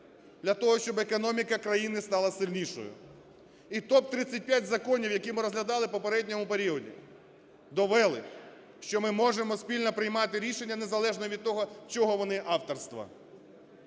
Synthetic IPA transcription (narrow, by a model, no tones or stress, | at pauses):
d̪ʲlʲɐt̪ɔɦɔʃt͡ʃɔbekɔnɔmʲikɐkɾɐjinɪst̪ɑlˠɐsɪlʲnʲiʃɔ̰jʊ̰ | it̪ɔp̚t̪ɾɪt͡sʲːɐt̚ʲpʲjatʲzɐkɔnʲiwjɐkʲimɪɾɔzɦlʲɐd̪ɑlˠɪpɔpeɾɛdʲnʲɔmʊpeɾʲiɔdʲḭ | d̪ɔʋɛlˠɪ | ʃt͡ʃɔmɪmɔʒemɔspʲilʲnɐpɾɪjmɑt̪ɪɾʲiʃenʲːɐnezɐlˠɛʒnɔʋʲid̪̚t̪ɔɦɔt͡ʃɔɦɔʋɔnɪʔɑwt̪ɔrst̪ʋɐ̰